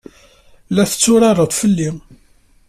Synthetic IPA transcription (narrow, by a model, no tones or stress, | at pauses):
læθə̥t͡sːʊɾɑɾˤəðˤfəlːi